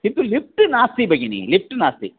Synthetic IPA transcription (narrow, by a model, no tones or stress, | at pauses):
sint̪ːulip̚ʈɨnaːst̪ibɐɡinḭlip̚ʰʈnaːst̪ḭ